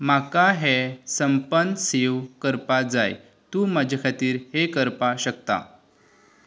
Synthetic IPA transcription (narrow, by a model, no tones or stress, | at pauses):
makaɦesəmpənseʋkəɾpad͡zaj | t̪uːmad͡ʑʱakʰat̪iːɾhekəɾpaɕəkt̪a̰